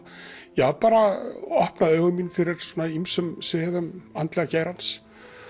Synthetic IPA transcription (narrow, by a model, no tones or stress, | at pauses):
jɛɣapaːɾaɔhpnaðœːɣʏminfɪɾɪɾ̥sɔːnaimsʏmsɛːðʏmant̪lɛɣaceːjɾans